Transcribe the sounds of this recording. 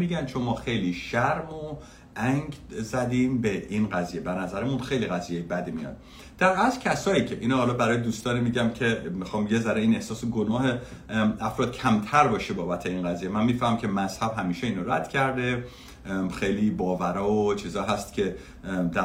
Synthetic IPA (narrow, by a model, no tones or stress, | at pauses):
miːɟænt͡ʃʰo̞nmɒːxe̞jliːʃæɾmo | ʔæŋɡzæd̪iːmbeʔinɢæziːje̞bæɾnæzæɾemunxe̞jliɣæzijejebæd̪imijɒ̰d̪̥ | d̪̥æɾæzcʲʰæsɒːiːcʰeʔiːnɒːhɒːlɒːbæɾɒːjed̪uːst̪ɒːnimiːɟæmcʰe̞mixɒːmbejezæɾeiːnehsɒːseɡonɒːɦeæfɾɒːd̪̥̚cʰæmt̪ʰæɾbɒːʃebɒːbæt̪ʰeiːnɡæzijemænmiːfæhmæmcʰemæz̥hæbɦæmiːʃeiːnoɾæ̰d̪̥cʰæɾd̪e̞ | xejliːbɒːvæɾɒːot͡ʃʰiːzɒːiɦæst̪cʲʰe̞ | d̪æ